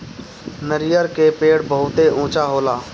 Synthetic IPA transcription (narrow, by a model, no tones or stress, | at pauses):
nəɾɪjəɾkeːpeːɽbəɦʊt̪eʔũːt͡ʃaːɦoːlaː